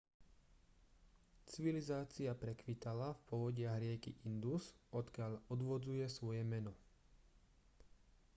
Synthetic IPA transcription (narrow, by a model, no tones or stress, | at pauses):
t͡siʋilizaːt͡siapɾɛkʋit̪alafpɔʋɔɟɪaɦɾɪɛkḭʔind̪usɔt̪kɪaʎɔd̪ʋɔd͡zujɛsʋɔjɛmɛnɔ